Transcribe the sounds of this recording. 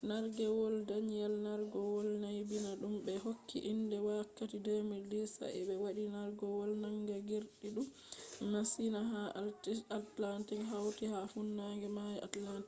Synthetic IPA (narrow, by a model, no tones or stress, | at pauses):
naɾɡɛwɔldaɲɛlnaɾɡɔwɔlnajbinaɗumbɛɦokːḭʔindɛwakːatidɛmilisa̰ɛ̰ɓɛwaɗinaɾɡɔwɔlnaŋɡaɡiɾɗiɗum | masinaɦa | atlantikɦawtihafunːaɡɛmajʔa̰tlanti